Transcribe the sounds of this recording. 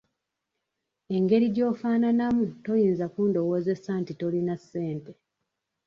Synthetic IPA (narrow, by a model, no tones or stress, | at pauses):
e̞ŋɡe̞ɾiɟo̞ːfaːnanamuto̞jiːnzakuːndo̞woːze̞santito̞linasːe̞ːnte̞